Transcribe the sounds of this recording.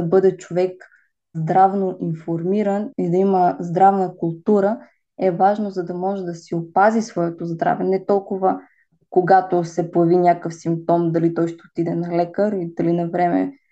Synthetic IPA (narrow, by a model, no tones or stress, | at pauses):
ɐbɤd̪ɛt͡ʃovɛk | zd̪ɾavnoʔinfoɾmiɾənid̪ɐiməzd̪ɾavnəkʊlˠt̪uɾə | ɛvaʒnozɐd̪ɐmɔʒɛd̪ɐsiopazisvɔɛt̪ozd̪ɾa̰vɛnɛt̪ɔlˠkʊvə | koɡat̪osɛpojɛvinʲakəfsimp̚t̪ɔmd̪ɐlit̪ɔjʃt̪ɛot̪id̪ɛnɐlɛkəɾid̪̥ɐlinɐvɾɛmɛ̰